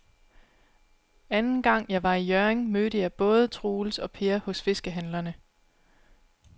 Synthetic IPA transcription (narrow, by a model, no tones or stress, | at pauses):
ænn̩ɡ̥ɑ̈ŋ̰jɑ̈ɪʋɑ̈ijøeŋmøːɾəjɑ̈ɪb̥ɔ̽ːð̞ˠət͡sʰʁuːlsɒ̽pʰe̝ːɐhɔ̽sfe̝sɡ̥əɦænlɐnə